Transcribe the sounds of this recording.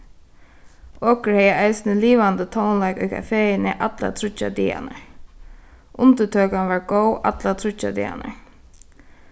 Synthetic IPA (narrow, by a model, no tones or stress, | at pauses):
ɔːkəɹhɛjaʔaɪsnəliːʋant̪ət̪ʰownlaɪkʊjkʰa̰feːɪnɪʔat̪la̰t̪ʰɾʊt͡ʃːa̰d̪ḭːa̰nə̰ | ʔʊnt̪ət̪ʰøːkanʋaɹɡowʔa̰t̪lat̪ʰɾʊt͡ʃːa̰d̪ḭːa̰nə̰